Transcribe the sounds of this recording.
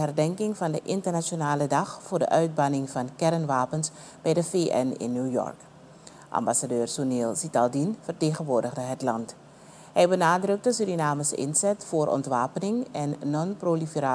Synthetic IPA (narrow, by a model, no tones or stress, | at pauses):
ɦɛrdɛŋkɪŋfɑndəʔɪntərnasonaːlədɑχfʊːrdə̰ʔœɥd̚bɑnɪŋfɑnkɛrənʋaːpəns | b̥ɛjdəfeːʔɛ̰nɪ̰nːuːjɔ̰rk | ʔɑ̰mbasadøːrsuneːlˠsitɑlˠdinfərteːχənʋoːrdəɣdəɦətlɑnt | hɛjbənaːdrɵk̚təsyɾinaːməsɪ̰nzɛtfoːrʔɔ̰ntʋaːpənɪŋɛnːɔnprolifəraː